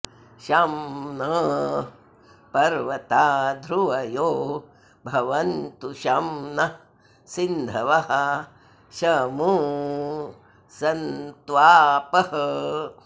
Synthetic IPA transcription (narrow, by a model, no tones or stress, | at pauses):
ʃamnɐ | pɐɾʋɐt̪aːd̪ʱɾuʋɐjoː | bʱɐʋɐnt̪uʃɐmnɐ | sind̪ʱɐʋɐɦɐ̆ | ʃɐmu | sɐnt̪ʋaːpɐɦɐ